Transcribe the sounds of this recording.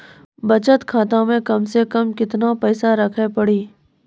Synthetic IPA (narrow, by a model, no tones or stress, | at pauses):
bɐt͡ʃət̪kʰaːt̪õmẽkɐmsekɐmkɪt̪napɛːsaɾɐkʰepɐɽiː